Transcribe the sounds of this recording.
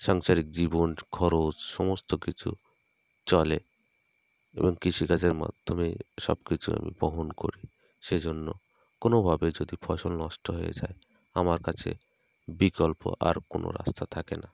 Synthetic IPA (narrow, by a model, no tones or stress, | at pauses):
ʃaŋt͡ʃaɾikd͡ʒibonkʰɔɾot͡ʃsɔmɔst̪okit͡ʃʰṵ | t͡ʃɔle | ḛbɔŋkisikad͡ʒeɾma̰d̪ʱːɔmeʃɔ̰bkit͡ʃʰua̰mḭbɔɦonkoɾi | ʃed͡ʒonːo̰ | konobʱabed͡ʒod̪ipʰɔʃɔlnɔsʈɔɦɔjḛd͡ʒae | amaɾkat͡ʃʰḛ | bikɔlpo̰ʔa̰ɾkono̰ɾa̰st̪ʰat̪ʰakena